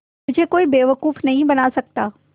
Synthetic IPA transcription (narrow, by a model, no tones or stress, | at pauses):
mʊd͡ʑʱekoːibeːʋɐkuːfnɐɦĩbɐnasɐk̚t̪aː